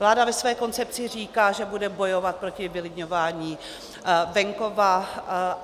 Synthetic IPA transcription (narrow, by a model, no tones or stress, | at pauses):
vlaːdavɛsvɛːko̞nt͡sɛp̚t͡sɪr̝iːkaːʒɛbudɛbo̞jo̞vat̪̚pɾo̞cɪvɪlɪdɲo̞vaːɲiː | vɛŋko̞va